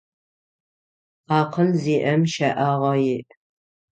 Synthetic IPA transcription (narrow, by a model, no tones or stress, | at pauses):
aːqʰənziːʔɐmʃɐʔaʁɐjɪʔ